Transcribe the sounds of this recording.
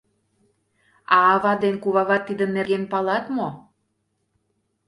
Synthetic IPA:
ɑːβɑd̪enkuβɑɣɑt̪ːid̪ənːeɾɣenpɑlɑt̪mo

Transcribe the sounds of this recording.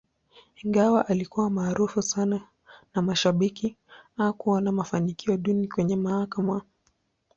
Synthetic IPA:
iŋɡawaʔalikuwamaːɾufusana | namaʃaɓiki | akuanamafanikiɔɗunikwɛɲɛmahakama

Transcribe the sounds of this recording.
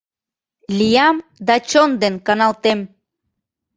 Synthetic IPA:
lʲijɑmd̪ɑt͡ɕond̪enkɑnɑlt̪em

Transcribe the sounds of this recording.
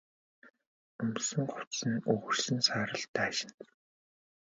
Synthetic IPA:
ɵmt̪sə̆ŋɢʊt̪sə̆nɵɣɵ̆rsɘ̆nsaːɾə̆ɮt̪æːʃɪ̥̆n

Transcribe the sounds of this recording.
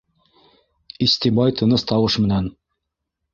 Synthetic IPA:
ist̪ibɑjt̪ʰɤ̆nɤst̪ɑwɤʃmɘ̆næn

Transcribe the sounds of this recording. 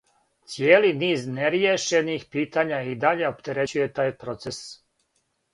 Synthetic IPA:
t̪sjeːliniːzneɾjeʃenixpiːt̪aɲaid̪aʎe̞opt̪e̞ɾe̞t͡ɕuje̞t̪aːjpɾo̞t̪ses

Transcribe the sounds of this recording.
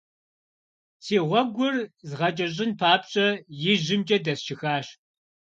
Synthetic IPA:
tʰiːʁʷɔɡʷʊrzʁɐt͡ʃʼɐɕ̬ʼɪnpʰaːpɕʼɐjɪʑɪmt͡ʃʼɐdɐsʃʰɪxaːɕ

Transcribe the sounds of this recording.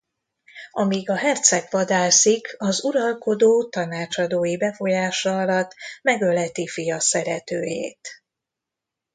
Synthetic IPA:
ɒmiɡɒɦɛrt̪sɛkʋɒd̪aːlsikɒzuɾɒlko̞d̪oːt̪ɒnaːt͡ʃɒd̪oːjibɛfo̞jaːʃɒɒlɒt̪ːmɛɡølɛt̪ifijɒsɛɾɛt̪øːjḛːt̪

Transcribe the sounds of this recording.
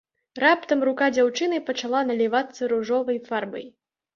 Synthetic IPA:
ɾapt̪ɐmɾukad͡zʲawt͡ʂɨnɨpɐt͡ʂalˠanɐlʲivat̪sːɐɾuʐɔvɐjffarbɐ̰j

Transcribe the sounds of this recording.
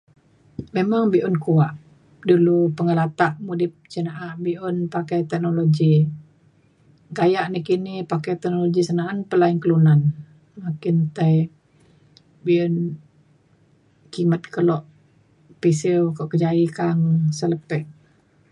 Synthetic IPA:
memaŋbiʔunkuaʔ | dulupəŋəlat̪aʔmudɪp̚t͡ʃənaʔaʔbiʔʊnpakajt̪ɛk̚nolod͡ʒi | ɡajaʔnikinipakajt̪ɛk̚noloɡisənaːnpəlainkəlunan | makɪnt̪aj | biʊn | kimət̪̚kəlɔʔ | pisiwkɔʔkəd͡ʒaikaŋsələpɛʔ

